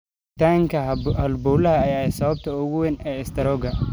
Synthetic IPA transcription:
t̪ʰaːŋkʰɐhɐlbɔːlɐɦɐːjaːɛsɐβɐb̚t̪ʰɐʊɣʊwɛnɛːɪst̪ʰɐɾɔɡɐ

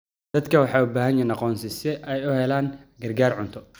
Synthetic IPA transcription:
d̪ɐd̪kʰɐwɑħɑːubaːɦɐnjɛnɑqɔːnsɪsɛʔɛjʊhɛlaːŋɡɐrɡaːrʕʊnt̪ʰɔ

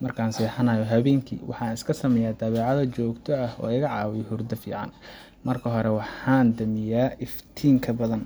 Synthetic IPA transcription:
mɐrkʰaːnsiːħɑnɐjɔɦɐβɛːŋkʰḭːwʔɑ̰ħɑːnɪskʰɐsɐmɛjaːd̪ɐβɛːʕɑðɐt͡ʃɔːɡt̪ʰɔɐhɔ̰ːɪɣɐʕɑːwɪjɦʊrd̪ɐfḭːʕɑ̰n | mɐrkʰɐɦɔɾɛwɑħɑːnd̪ɐmɪjaːʔɪft̪ʰiːŋkʰɐbɐðɐn

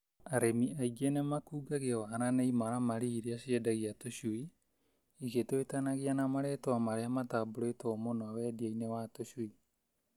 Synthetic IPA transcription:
aɾemiʔaiɡenemakuːɡaɣewaːɾaneimaɾamaɾiːɾeaɕiedaɣiatoɕui | iɣetoetanaɣianamaɾɛːtoamaɾeamataːboɾoetomonoawɛːdiainewatoɕui

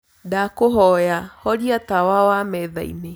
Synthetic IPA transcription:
dakoɦɔjahɔɾiatawawamɛða̰ḭne

